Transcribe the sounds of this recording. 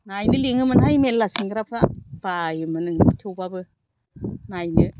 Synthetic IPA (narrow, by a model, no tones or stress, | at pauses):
najnɯliŋɯmɯnɦajmellasiŋɡɯɾapʰɾab̥ajɯmɯnɯŋtʰɯwbabɯ | najnɯ